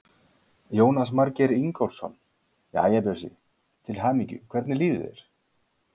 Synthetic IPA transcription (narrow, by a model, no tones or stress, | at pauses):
joːwnasmaɾcɛɾiŋkowlsɔ̰n | ja̰ːjɛpɛsḭ | t̪ʰɪlɦaːmicʏ̰kʰvɛɾt̪nɪliːðʏ̰ðɛ̰ɾ̥